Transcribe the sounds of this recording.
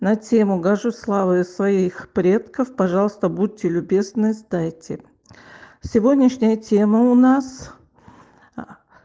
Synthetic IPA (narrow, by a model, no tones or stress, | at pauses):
nɐtʲemʊɡɐʐuslˠavɨsvɐixpɾʲe̞t̪kəfpɐʐɑlˠəst̪əbud̚ʲtːʲɪlʲʊbʲe̞znɨzd̪ajtʲɪ | sʲɪvo̞dʲnʲɪʂnʲɪjətʲeməʊnas